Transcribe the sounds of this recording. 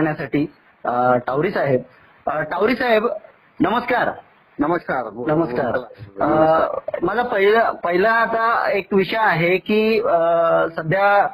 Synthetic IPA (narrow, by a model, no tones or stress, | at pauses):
ɳjasaʈiː | əʈawɾiːsaɦeb̚ | ʈawɾiːsaɦeb | nəməskaɾ | nmənəməskaɾ | məlapəɦiləpəɦilə̃ːt̪aekʋiʂəjaɦekiː | səd̪ʱja